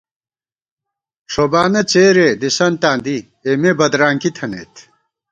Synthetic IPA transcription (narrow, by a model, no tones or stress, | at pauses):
ʂobaːnɐt͡ɕeːɾed̪isɐnt̪aːnd̪i | emebɐd̪ɾaːŋkit̪ʰɐnḛːt̪ʰ